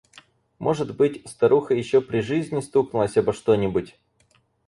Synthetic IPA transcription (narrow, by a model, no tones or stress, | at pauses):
mʔo̞ʐɨt̪bɨtʲst̪ɐɾuxəjɪɕːopɾʲɪʐɨzʲnʲɪst̪uknʊlˠəsʲabəʂt̪onʲɪbʊtʲ